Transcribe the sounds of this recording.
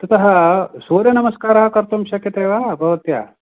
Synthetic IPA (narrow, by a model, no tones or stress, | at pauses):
t̪ɐt̪ɐɦɐsoːɾjɐnɐmɐskaːɾaːkɐɾt̪umʃɐkjɐt̪eːʋaːbʱɐʋɐt̪ja̰ː